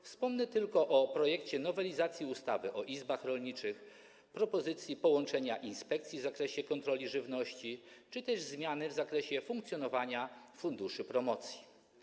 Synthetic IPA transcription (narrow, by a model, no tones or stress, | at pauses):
fspɔmnɛt̪ɘlkɔʔɔpɾɔjɛkt͡ɕɛnɔvɛlʲizat̪sʲjiust̪avɘʔɔʔizbaxɾɔlɲit͡ʂɘx | pɾɔpɔzɘt̪sʲjipɔwɔnt͡ʂɛɲaʔinspɛk̚t̪sʲjivzakɾɛɕɛkɔnt̪ɾɔlʲiʐɘvnɔɕt͡ɕit͡ʂɘt̪ɛʐzmʲjanɘvzakɾɛɕɛfuŋkt̪sʲjɔn̪ɔvaɲafund̪uʂɘpɾɔmɔt̪sʲji̥